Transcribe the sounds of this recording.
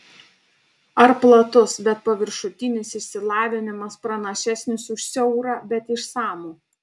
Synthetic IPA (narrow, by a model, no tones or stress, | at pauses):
ɐɾplˠɐt̪ʊsbʲɛt̪̚pɐʋʲɪɾʃʊt̪ʲɪnʲɪsɪʃʲsʲɪlˠɑːʋʲɪnʲɪmɐspɾɐnɐʃʲæsʲnʲɪsʊʃsʲɛʊɾɑːbʲɛt̪ɪʃsɑːmuː